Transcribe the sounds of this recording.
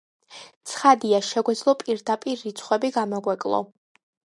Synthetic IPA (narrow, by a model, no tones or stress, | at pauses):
t̪sʰχad̪iaʃɛɡwɛd̪zlˠɔpʼiɾd̪apʼiɾːit̪sʰχwɛbiɡamɔɡwɛkʼlˠɔ̰